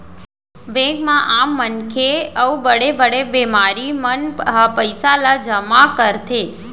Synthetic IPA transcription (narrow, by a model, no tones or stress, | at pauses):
bɛ̃ɡmãʔamːənkʰeəubəɽebəɽebemaɾimənpəjsalad͡ʒəmakəɾt̪ʰe